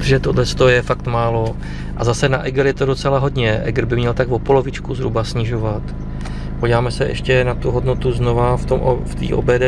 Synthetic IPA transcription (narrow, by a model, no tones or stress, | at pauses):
pʒɛt̪odlɛst̪ojɛfakt̪maːlo̞ | ʔazasɛnaʔɛɡɾjɛt̪o̞do̞t͡sɛlaɦo̞dɲɛʔɛ̰ɡɾbɪmɲɛlt̪aɡvo̞po̞lo̞vɪt͡ʃkuzɦɾubasɲɪʒo̞vat̪ | poɟivaːmɛsɛʔɛ̰ʃcɛnat̪uɦo̞dno̞t̪uzno̞vaft̪omʔft̪ḭːʔo̰bɛːdɛ